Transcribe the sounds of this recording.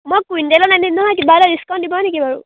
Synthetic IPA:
mɔjkujndelɔnaninɔɦɔjkibalaɹiskandibɔɔnekibaɹu

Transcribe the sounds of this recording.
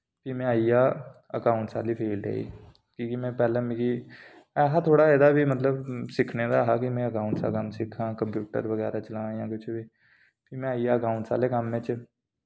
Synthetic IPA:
pʰimɛ̃aːiaːəkaːʊ̃ɳʈsa̰ːlipʰeːlɖɦɛ̰ːḭː | kiːkimɛ̃ːpɛːlẽmiki | ɛːɦat̪ʰoːɽaɛd̪abʱimət̪ləbsɪkʰned̪aɦaːkimɛ̃ːəkaːʊ̃ɳʈsa̰kəmsɪkʰãːkə̃mpjuːʈə̰ɾʋəɣɛːɾat͡ʃəlãːjãːkʊt͡ʃʰbʱiː | pʰimɛ̃aːiaːəkaːʊ̃ɳʈsa̰ːlekamːẽːt͡ʃ

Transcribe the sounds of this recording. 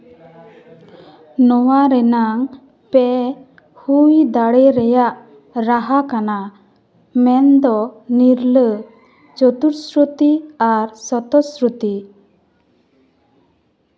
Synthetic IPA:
nɔwaɾɛnaŋ | pɛ | hujd̪aɽɛɾɛjaʔ | ɾaɦakana | mɛnd̪ɔniɾlə | t͡ʃɔt̪uɾsɾut̪iaɾsɔt̪ɔsɾut̪i

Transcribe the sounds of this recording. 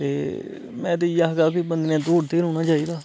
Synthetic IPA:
t̪ḛː | mɛ̃ːt̪eijaːɦɡaːkiːbənd̪nɛ̃ːd̪oːɽt̪eːɾõːnaːt͡ʃaːiːd̪aː

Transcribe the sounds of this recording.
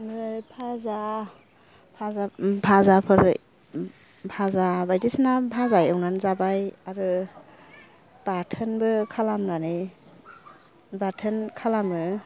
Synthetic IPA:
ɯjpʰaza | pʰazapʰazapʰɯɾ | pʰazabajdisnapʰazajɯwnanzabajaɾɯ | b̥atʰɯnbɯkʰalamɾani | batʰɯnkʰalamɯ

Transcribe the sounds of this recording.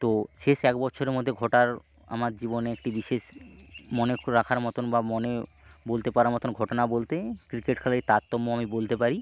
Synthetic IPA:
t̪oʃeʃɛkbɔtːɕʰoɾeɾmod̪ʱːeɡʱɔʈaɾ | a̰maɾd͡ʑiboneekʈibiʃeʃmɔneɾakʰaɾmɔt̪onbamɔne | bolt̪epaɾaɾmɔt̪onɡʱɔʈonabolt̪ekɾikeʈkʰɛlaɾet̪at̪ːomːoamibolt̪epaɾi

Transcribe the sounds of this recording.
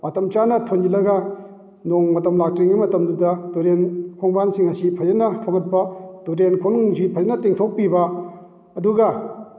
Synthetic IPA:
matɐmt͡ʃanɐtʰond͡ʒilɐɡɐ | noŋmɐtɐmlak̚tɾiŋimɐtɐmdudɐdoɾenkʰɔŋbansiŋɐsipʰɐzɐnɐtʰoŋɐt̚pɐdoɾenkʰoŋŋsipʰɐzɐnɐteŋtʰok̚pibɐː | duɡɐ

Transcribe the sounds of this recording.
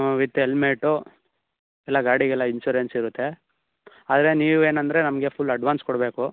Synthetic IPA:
ʋit̪ːelmeːʈːu | ɛlːɐɡaːɽiɡɛlːɐinsuːɾensiɾut̪ːe̞ | aːd̪ɾeniːʋueːnɐnd̪ɐɾe̞nɐmɐɡe̞pʰulːɐɖʋaːnskɔɽbe̞ːku

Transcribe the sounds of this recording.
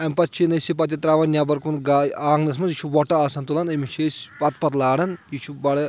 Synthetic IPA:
ɐmʲpɐt̪̚t͡ʃʰinɐsipɐt̪̬ʲjɐt̪ɾaːʋɐnnʲjʲaːbɐɾkunɡaaːŋɡnɐs̬mɐnzit͡ʃʰuʋɔʈɐaːsɐnt̪ulɐnɐmit͡ʃʰesʲpɐt̪̚pɐt̪laːɽɐnjit͡ʃʰubɐɽɐ

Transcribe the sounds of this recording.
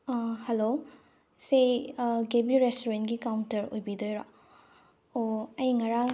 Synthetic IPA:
helo | seɡebiɾestuɾentɡikawntɐɾojbidojɾa | oɐjŋɐɾa

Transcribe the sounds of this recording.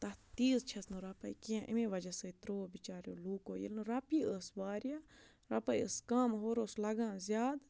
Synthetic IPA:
t̪ɐt̪iːzt͡ʃʰɐsnuɾɐpɐikijãːʔḭmẽʋɐd͡ʒɐsəːit̪ɾoːbit͡ʃaːɾjoːluːkoːjḭlnɨɾapiːəsʋaːɾja | ɾɐpɐjəskaːmɦoːɾoːslɐɡãːzjaːd̪

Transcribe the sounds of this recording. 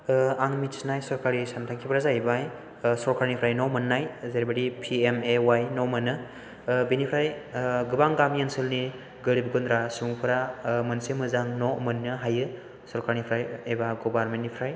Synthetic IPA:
aŋmitsnajsɔɾkaɾisantʰaŋkʰipʰɾazaibaj | sɔɾkʰaɾnipʰɾajnɔmɯnːajzaɾibadipʰiemewajnomɯnɯ | binipʰɾajɡɯbaŋɡamjansɯlni | ɡɯɾib̚ɡundɾasuŋpʰɯɾamɐnsemɯzaŋnɔmɯnːɯɦajɯ | sɔɾkaɾnipʰɾajebaɡobaɾmentːnːipʰɾaj

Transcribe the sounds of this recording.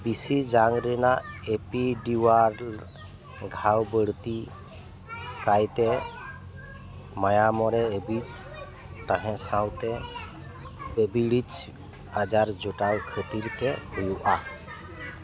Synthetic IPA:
bisid͡ʒaŋɡɾɛnaepiɖiwaɾ | ɡʱawbəɽt̪i | kajt̪ɛ | majamɔɾɛebit͡ʃ | t̪aɦɛ̃sãw̃t̪ɛ | bebiɽit͡ʃ | ad͡ʒaɾd͡ʒoʈawkʰət̪iɾkɛbujuʔa

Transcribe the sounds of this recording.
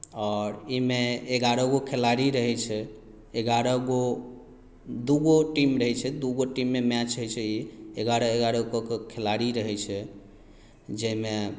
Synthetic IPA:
ɔɾimeeɡaɾɔɡokʰelaɾiɾəɦɛt͡ʃʰɛ | eɡaɾɔɡo | d̪uɡoʈimɾəɦɛt͡ʃʰɛd̪uɡoʈimːemɛt͡ʃɦəjt͡ʃʰɛieɡaɾɔeɡaɾɔkokekʰelaɾiɾəɦɛt͡ʃʰɛ | d͡ʒeme

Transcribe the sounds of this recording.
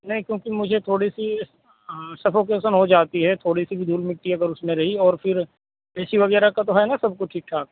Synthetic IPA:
nɐɦĩkjõːkimʊd͡ʒʱet̪ʰoːɽisi | sɐfoːk̬eːsənɦod͡ʒaːt̪iɦɛt̪ʰoːɽisibʱid̪ʱuːlmɪʈːiɐɡəɾʊsmẽɾɐɦiɔːɾfʰɪɾ | eːsiʋɐɡɛːɾakat̪oɦɛnasɐb̚koʈʰiːk̚ʈʰaːkː

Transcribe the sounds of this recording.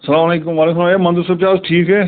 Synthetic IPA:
səlaːmleːkʊmʋaːleːklãːeːmɐ̃nd̪əɾsʊb̚t͡ʃaːzʈʰiːkɦɛː

